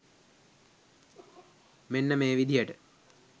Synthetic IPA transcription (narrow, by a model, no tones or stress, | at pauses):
menːɐmeːʋid̪ʱijɐʈɨ